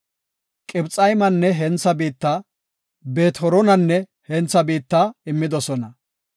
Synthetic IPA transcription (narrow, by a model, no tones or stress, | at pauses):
kʼɪbt͡sʼɐjmɐnːɛɦɛnt͡sːɐbiːt̪ːaː | beːt̪hɔɾɔnɐnːɛ | hɛnt͡sːɐbiːt̪ːaːɪmːɪd̪ɔsɔnɐ